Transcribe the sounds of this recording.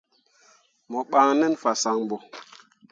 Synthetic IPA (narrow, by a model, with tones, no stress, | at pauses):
mɔ˨ɓa˨ŋnɛ˦nfa˨sa˨ŋ˨bɔ˨